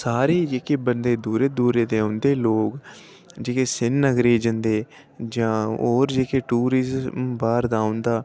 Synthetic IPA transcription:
saːɾiːd͡ʒeːkeːbənd̪eːd̪uːɾeːd̪uːɾeːd̪eːõnd̪eːloːk | d͡ʒeːkeːsɪnːəɡɾeːd͡ʒənd̪eː | d͡ʒãːoːɾd͡ʒeːkeːʈuːɾɪzmbaːɾd̪aːʊ̃nd̪aː

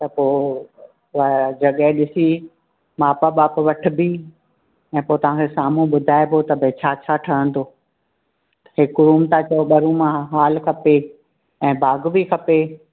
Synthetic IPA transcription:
t̪ɐpoː | ʋd͡ʑɐɠəɦɪ̃ɗɪsi | maːpaɓaːpʋɐʈ̆ʰbi | ɛ̃ːpoːt̪ɐʋ̤ãːkʰesaːmũɓʊd̪ʱaːepot̪ɐbʱet͡ɕʰaːt͡ɕʰaːʈʰɐɽə̃nd̪oː | ɦɪkʊɾuːmt̪at͡ɕɐjoɓɐɾũmãɦaːlkʰɐpe | ɛ̃ːbʱaːɡbikʰɐpe

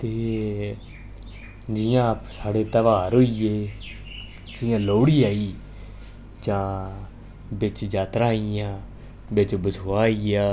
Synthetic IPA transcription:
t̪eː | d͡ʒɪjãːpsaːɽeːt̪əʋaːɾɦoːiːeː | d͡ʒɪjãːloːɽiːaːiː | d͡ʒãː | bɪt͡ʃd͡ʒaːt̪ɾãːijãː | bɪt͡ʃbəsaːiːaː

